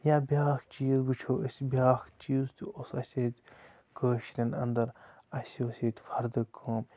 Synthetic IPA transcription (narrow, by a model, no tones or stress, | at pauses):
jaːbʲaːxt͡ʃiːzɡut͡ʃʰoːəsʲbʲjaːxt͡ʃiːzt̪uosɐsʲet̪ʲ | kəːʃɾʲɐnɐ̰nd̪ɐɾ | ɐsʲoːsʲet̪ʲfɐɾd̪ɐkʰəːm